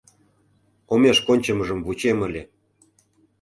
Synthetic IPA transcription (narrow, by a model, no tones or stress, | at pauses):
omeʃkonʲt͡ɕə̆məʒə̆mvut͡ɕemə̆lʲe